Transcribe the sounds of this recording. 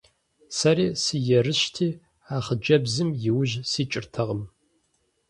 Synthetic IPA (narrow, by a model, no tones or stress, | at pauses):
sɐɾiːsɨjɛrɨɕtʰiː | aːχəd͡ʒɐbzɨmjɪwʊʒsiːt͡ʃʼɪrtʰɐʁəm